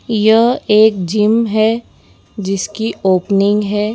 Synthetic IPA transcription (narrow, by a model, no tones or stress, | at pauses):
jɐɦeːkd͡ʒɪmɦɛ | d͡ʒɪskiʔoːpnɪ̃ŋɡɦɛː